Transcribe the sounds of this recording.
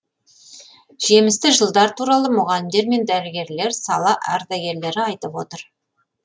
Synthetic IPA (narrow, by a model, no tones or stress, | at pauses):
ʒ̥e̞mɪst̪ɪʒəlˠd̪ɑɾt̪ʰuɾɑlˠəmʊʁɑlɪmd̪e̞ɾme̞nd̪æɾɪɡʲe̞ɾle̞ɾsɑlˠɑʔæɾd̪æɡʲe̞ɾle̞ɾɪɑjt̪əpwo̞t̪əɾ